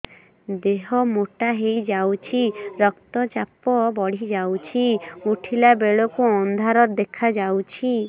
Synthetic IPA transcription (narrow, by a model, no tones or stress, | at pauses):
d̪eɦɔmoʈaɦejd͡ʒawt͡ʃʰiɾɔkt̪ɔt͡ʃapɔbɔɽ̤id͡ʒawt͡ʃʰiuʈʰilabeɭɔkuɔnd̪ʱaɾɔɾd̪ekʰad͡ʒawt͡ʃʰi